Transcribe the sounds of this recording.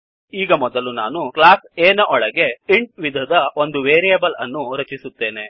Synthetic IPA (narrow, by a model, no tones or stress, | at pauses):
iːɡɐmɔd̪ɐlunaːnuklaːseːnɐʔɔɭɐɡe̞iɳʈ̚ʋid̪ʱɐd̪ɐo̞nd̪uʋeːɾijeːbɐlɐnːuɾɐt͡ʃisut̪ːe̞ːne̞